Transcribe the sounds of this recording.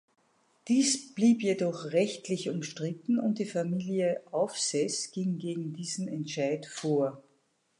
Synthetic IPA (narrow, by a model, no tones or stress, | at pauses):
d̥iːsb̥liːpjedɔχʁɛçtlɪçʊmʃtʁ̥ɪtn̩ʊ̰nt̚d̥iːfamiːliəʔaʊfsɛsɡ̥ɪŋɡeːɡŋ̩diːzn̩ɛntʃaɪtfoːɐ